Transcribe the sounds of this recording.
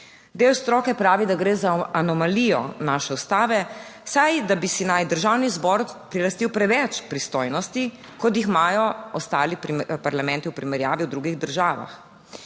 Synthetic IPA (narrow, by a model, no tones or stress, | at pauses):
d̪eːwst̪ɾɔːkɛpɾaːʋid̪aɡɾeːzaːnɔmalijɔ̰naːʃɛust̪aːʋɛsajd̪abisinajd̪əɾʒawnizbɔɾpɾilast̪iwpɾɛʋɛt͡ʃpɾist̪ojnɔst̪i | kɔt̪jixmaːjɔɔst̪aːlippaɾlamɛ̃nt̪iwpɾimɛɾjaːʋiwd̪ɾuɡiɣd̪əɾʒaːʋa̰x